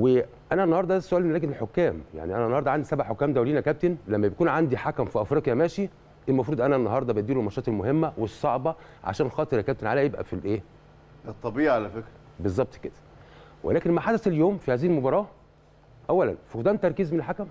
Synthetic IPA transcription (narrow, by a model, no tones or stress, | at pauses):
we | ʔænænːɑhɑɾd̪ˤɑʔæsːʔæːlmælæːɡenelħokːæːmja̰ʕniʔænænːɑhɑɾd̪ˤɑʕand̪isæbaʕħokːæːmd̪æwliːnækæb̚t̪enlæmːæbekuːnʕand̪iħakæmfiʔɑfɾɑːqjæmæːʃi | ʔelmɑfɾuːd̪ʔænænːɑɦɑɾˤd̪ˤɑbeʔ̪d̪iːlulmɑʃɑːt̪ˤelmoɦemːæwesˤːɑʕbɑ | ʕa̰ʃæːnxɑːt̪ˤeɾkæb̚t̪enʕalæjebʔæ̰filʔeː | et̪ˤːɑbiːʔʕalæfekɾæ | bezˤːɑb̚t̪ˤked̪̥æ̥ | wʔḛlæːkenmaħad̪æseljoːmfihæːzihilmobɑɾˤɑː | ʔæwːælæ̰nfid̪æːnt̪ːɑɾˤkiːzmenelħakæm